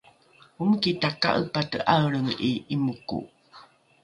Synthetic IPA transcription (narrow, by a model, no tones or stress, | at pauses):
umkitaka̰ʔəpatəʔaɾəŋiimukṵ